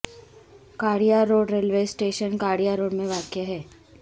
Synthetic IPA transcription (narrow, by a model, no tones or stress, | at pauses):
kaːɽijaɾoːɖɾeːlʋeːsʈeːʃənkaːɽijaɾoːɽmẽʋaːkjaɦɛː